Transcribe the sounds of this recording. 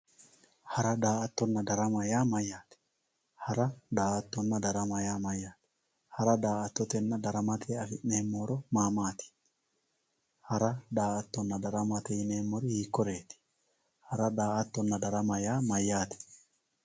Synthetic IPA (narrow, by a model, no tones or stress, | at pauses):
hɐɾɐd̪aːɐt̪ːɔnːɐd̪ɐɾɐmɐjaːmɐjːaːt̪ɛ̥ | hɐɾɐd̪aːɐt̪ːɔnːɐd̪ɐɾɐmɐjaːmɐjːaːt̪ɪ̥ | hɐɾɐd̪aːɐt̪ːɔt̪ɛnːɐd̪ɐɾɐmɐt̪ʰeːɐfɪʔneːmːoːɾɔmaːmaːt̪ɪ̥ | hɐɾɐd̪aːɐt̪ːɔnːɐd̪ɐɾɐmɐt̪ɛjɪneːmːɔɾɪhiːkːɔɾe̞ːt̪ɪ̥ | hɐɾɐd̪aːɐt̪ːɔnːɐd̪ɐɾɐmɐjaːmɐjːaːt̪ɛ̥